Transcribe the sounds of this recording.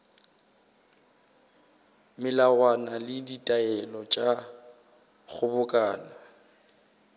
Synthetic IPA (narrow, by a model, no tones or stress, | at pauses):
mɪlawanalɪditʼaɛlɔt͡ʃʼa | ɣʰʊbʊkʼaːna